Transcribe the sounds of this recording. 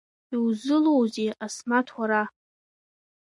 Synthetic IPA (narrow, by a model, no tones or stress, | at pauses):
iwzɨlowzeasmatʰwaɾa